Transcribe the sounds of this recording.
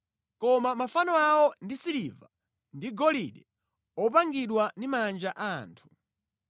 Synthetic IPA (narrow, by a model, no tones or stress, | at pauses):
kɔmamafanɔawɔndisiliva̰ | ndiɡɔliɗɛ | ɔp̬aŋɡiɗwandimand͡ʒaʔaːntʰu̥